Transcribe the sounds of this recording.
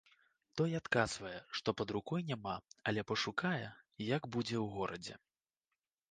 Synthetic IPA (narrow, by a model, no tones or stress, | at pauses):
t̪ɔjat̪kazvɐjɛʂt̪ɔpɐd̪ɾukɔjnʲamaɐlʲɛpɐʂukajɛjɐɡbud͡zʲɛwɣɔɾɐd͡zʲɛ̰